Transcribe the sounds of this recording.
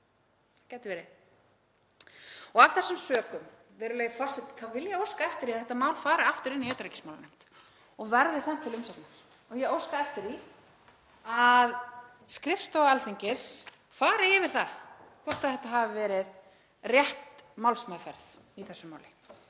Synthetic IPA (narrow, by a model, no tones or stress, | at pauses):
cajt̪ɪvɛːɾɪ | ɔɣavθɛsːʏmsœːkʏm | vɛːɾʏleːjɪfɔr̥sɛt̪kʰavɪljɛɣowskaɛft̪ɪɾiaθɛht̪ːamaːwlfaːɾaaft̪ʏɾɪnːiœɥt̪ɾɛcɪ̥smawlanejm̥t̪ | ɔɣvɛɾðɪθɛm̥t̪ʰɪlʏmsat̪naɾ | ɔɣjɛowskaɛft̪ɪɾi | að | skɾɪfst̪owaɛlθiɲcɪs | faːɾɪɪːvɪɾ̥θakʰvɔɾ̥t̪aðθɛht̪ːaɦaːvɪvɛːɾɪð | rjɛht̪mawlsmaːfɛɾθ | iθɛsːʏmaːwlɪ